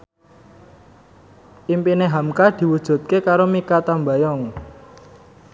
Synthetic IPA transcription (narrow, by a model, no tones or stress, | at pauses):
ʔimpineɦamkad̪̥i̤wud̥ʒ̥ṳt̪̚kekaɾomikat̪ambajɔŋ